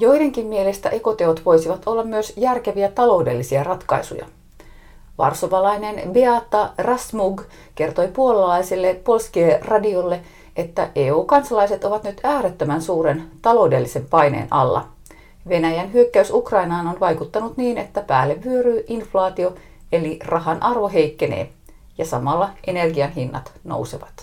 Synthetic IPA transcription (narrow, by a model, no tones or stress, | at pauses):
jo̞jde̞ŋkimmie̞le̞st̪æ̰ʔe̞ko̞t̪e̞ot̪ʋo̞jsiʋɑt̪o̞lːɑmmyøsjærke̞ʋiæt̪ɑlo̞ude̞̰lːisiærɑt̪kɑ̰jsṵjɑ̰ | ʋɑ̰rsoʋɑlɑjne̞nbeɑt̪ːɑrɑsmuɡ | ke̞rt̪o̞jpuolɑlɑjsilːepo̞lskierɑdio̞lːe̞ | ʔet̪ːæʔeːuːkɑnsɑlɑjse̞t̪o̞ʋɑt̪nyt̪æːɾet̪ːømænsuːɾe̞nt̪ɑlo̞ude̞lːise̞mpɑjnḛːnʔɑ̰lːɑ̰ | ʋe̞næjænɦyøkːæysukrɑjnɑːnonʋɑjkut̪ːɑnut̪niːne̞t̪ːæpæːlːeʋːyøɾyːʔinflɑːt̪io̞ | e̞lirɑɦɑnʔɑrʋo̞ɦe̞jkːe̞nḛː | jɑsɑmɑlːɑʔe̞ne̞rɡiɑnɦinːɑ̰t̪no̰wseʋɑt̪